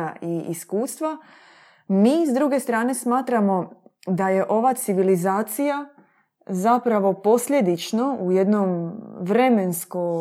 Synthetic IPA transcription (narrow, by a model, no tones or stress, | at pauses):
aiiskuːst̪ʋa | miːzd̪ɾuɡe̞st̪ɾaːne̞smaːt̪ɾamo̞d̪aje̞ʔo̞ʋat̪siʋilizaːt̪sija | zapɾaʋo̞po̞sʎe̞d̪it͡ʃno̞uje̞d̪nomʋɾe̞me̞nsko